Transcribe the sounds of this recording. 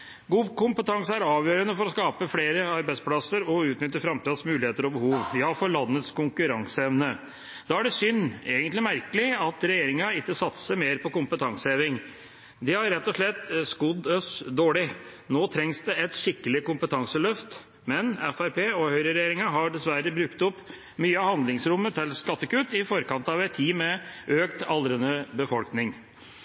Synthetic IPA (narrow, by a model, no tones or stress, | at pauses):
ɡuːkʊmpət̪ʰɑŋsəæɾɑːʋjøːɾənəfɔɾɔskɑːpəfleːɾəɑɾbæɪsplɑsəɾɔʉːt̪nʏt̪ːəfɾɑmt̪ʰiːd̪əsmʉːlɪheːt̪əɾɔbəhuːʋjɑːfɔɾɭɑnːət̪skʊŋkʉɾɑŋsəɛʋnə | d̪̥ɑːæɖɛsʏnːeːɡənt̪lɪmæɾkəlɪɑt̪ɾɛjeːɾɪŋɑɪkːəsɑt̪səmeːɾpʰɔkʊmpət̪ʰɑŋsəeːʋɪŋ | d̪ɛhɑɾɾɛt̪ːɔʂɭɛt̪ːskʊd̪œsd̪oːɭɪ | noːt̪ʰɾɛŋsd̪ɛɛt̪ʂɪkːəlɪkʊmpət̪ʰɑŋsəlœft̪ | mɛnɛfæɾpeːɔhœʏɾəɾɛjeːɾɪŋɑɦɑɖɛsʋæɾəbɾʉkt̪ɔpː | myːəɑhɑnd̪lɪŋsɾʊmːət̪ʰɪlskɑt̪ːəkʉt̪ːɪfɔɾkɑnt̪ɑʋɛt̪ʰːiːmɛøːkt̪ɑlɾənəbəfɔlknɪŋ